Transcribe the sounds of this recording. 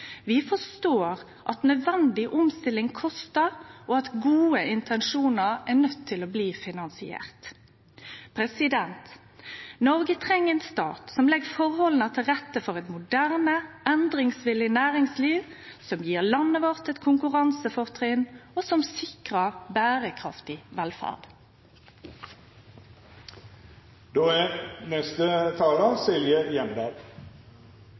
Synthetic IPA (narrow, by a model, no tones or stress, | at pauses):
ʋɪfɔst̪oːɾ | ʔɑt̪nœd̪ʋɛnd̪ɪʔɔmst̪ɪlːɪŋkʰɔst̪əɾʔɔɑt̪ɡuːəɪnt̪ʰɛnʂuːnəɾɛʁnœt̪ʰːɪlɔbliːfɪnɑnsɪḛːʁt̪ | pʰɾɛsɪd̪ɛnt̪ | nɔɾɡət̪ʰʁɛŋːəɛnst̪ɑ̰ːt̪sɔmlɛɡəfɔʁhɔlnət̪ʰɪlʁɛt̪ːəfɔɾɛt̪mʊd̪æʁnəʔɛnd̪ʁɪŋsʋɪlɪnæːʁɪŋsliːʋ | sɔmjiːʁlɑnːəʋɑʁt̪ət̪kʰʊŋkʉʁɑnsəfɔʁt̪ʰʁɪnoːsɔmsɪkʁəbæːʁəkʰʁɑft̪ɪʋɛlfæ̰ːʁd̪̥ | d̪oːænɛst̪ət̪ʰɑːləsɪljəjɛnbæɡ